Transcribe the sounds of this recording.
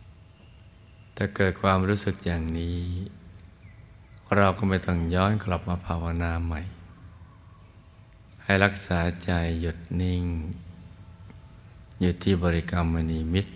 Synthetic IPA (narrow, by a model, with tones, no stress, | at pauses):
t̪ɛː˨˩kɤː˨˩t̪̚kʰwaː˧mɾuː˦˥sɯ˨˩k̚jaː˨˩ŋniː˦˥˩ | ɾa˧wkɔ˥˩ma˥˩jt̪ɔ˥˩ŋjɔː˦˥nkla˨˩p̚maː˧pʰaː˧wa˧naː˧ma˧˩j | ha˥˩jɾa˦˥k̚saː˩˦t͡ɕa˧jːu˨˩t̪̚ni˧˩ŋ | juː˨˩t̪ʰːiː˧˩bɔː˧ɾi˦˥kaː˧mːa˧niː˧mi˦˥t̪̚